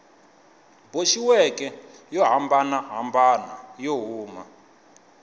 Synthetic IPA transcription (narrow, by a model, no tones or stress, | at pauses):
boʃiwɛkɛjɔɦambanaɦambana̰joɦuːma̰